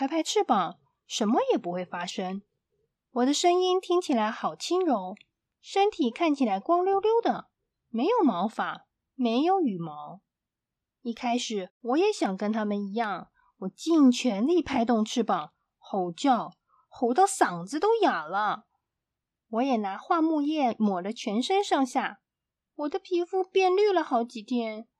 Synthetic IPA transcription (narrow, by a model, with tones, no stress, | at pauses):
pʰa˥pʰa˥˧ɪʈ͡ʂʰɻ̩˥˩pɑ˨˩˦ŋ | ʂə˧˥nmə˨jɛ˨˩pu˧˥xwe˥˩ɪfa˥ʂɤ˥ŋ | wɔ˨˩d̪ə˦ʂɤ˥ŋi˥nt̪ʰi˥ŋt͡ɕʰi˨˩la˧˥ɪxɑ˨˩ʊt͡ɕʰi˥ŋɻʊ˧˥ŋ | ʂə˥nt̪ʰi˨˩kʰa˥˩nt͡ɕʰi˨˩la˧˥ɪkwɑ˥ŋljo˥ʊljo˥ʊd̪ə˨ | me˧˥ɪjo˨˩ʊmɑ˧˥ʊfa˨˩˦ | me˧˥ɪjo˧˥ʊy˨˩mɑ˧˥ʊ | i˥˩kʰa˥ɪʂɻ̩˨˩wɔ˧˥jɛ˧˥ɕjɑ˨˩ŋkə˥nt̪ʰa˥mə˨ni˧˥jɑ˥˩ŋ | wɔ˨˩t͡ɕi˥˩ŋt͡ɕʰɥɛ˧˥nli˥˩pʰa˥˧ɪt̪ʊ˥˧ŋʈ͡ʂʰɻ̩˥˩pɑ˨˩˦ŋ | xo˧˥ʊt͡ɕjɑ˥˩ʊ | xo˧˥ʊt̪ɑ˥˩ʊsɑ˨˩ŋd͡zɹ̩˧˦t̪o˥ʊja˨˩lə˦ | wɔ˧˥jɛ˨˩na˧˥xwa˥˧mu˥˧jɛ˥˩mwɔ˨˩lə˦t͡ɕʰɥɛ˧˥nʂə˥nʂɑ˥˧ŋɕja˥˩ | wɔ˨˩d̪ə˦pʰi˧˥fu˥pjɛ˥˧nly˥˩lə˨˩xɑ˧˥ʊt͡ɕi˨˩t̪ʰjɛ˥n